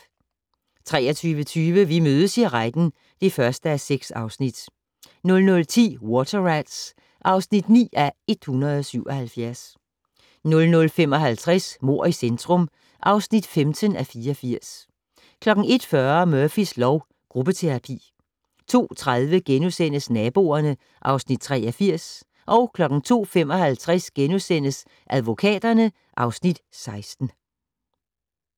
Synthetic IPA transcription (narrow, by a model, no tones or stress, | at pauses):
t͡sʰʁɛ̰ːɐt͡sʰyːʋət͡sʰyːʋəʋimøːð̞ˠəsiʁaɪd̥n̩ | d̥e̝fɶɐsd̥əæseɡ̥sɑ̈ʊsnid̥ | nɔ̽lnɔ̽lt͡sʰḭːwɒt͡sʰɐʁad̥s | ʔɑ̈ʊsnid̥nḭːæe̝d̥hunɐð̩ˠɒ̽syʊ̰ʔɒ̽hælfjæɐs | nɔ̽lnɔ̽lfemɒ̽ɦælt͡sʰʁɛsmo̝ɐ̰isend̥ʰʁɔ̽m | ʔɑ̈ʊsnid̥femt͡sʰənæfiːɐɒfiɐ̰s | kʰlɒ̽ɡ̥ŋ̩e̝d̥fɶɐmœɐfislɒʊ | ɡ̥ʁub̥ət͡sʰe̝ʁɑ̈pʰḭː | t͡sʰo̝̰ːt͡sʰʁað̞ˠʋəɡ̥enusen̰əsnɛːb̥o̝ːɐnə | ʔɑ̈ʊsnid̥̚t͡sʰʁɛ̰ːɐfiɐ̰s | ʔɒ̽ʊkʰlɒ̽ɡ̥ŋ̩t͡sʰo̝̰ːfem̰ɒ̽hælt͡sʰʁasɡ̥enusen̰əs | ʔæðˠʋo̝kʰɛ̰ːd̥ɐnə | ʔɑ̈ʊsnid̥sɑ̈ɪsd̥n̩